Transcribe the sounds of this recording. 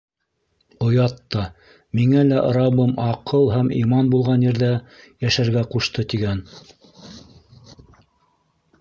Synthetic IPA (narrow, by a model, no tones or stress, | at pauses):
ŏjɑt̪ːɑ | miŋælæʔɾɑβɤmɑqɤlˠɦhæmḭmɑnbulˠʁɑnjɘ̆ɾðæ | jæʃæɾɡæquʃt̪ɤt̪iɡæn